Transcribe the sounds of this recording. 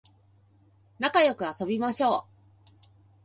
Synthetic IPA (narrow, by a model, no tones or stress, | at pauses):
nakajo̞kɯ̟aso̞bʲimaɕo̞ː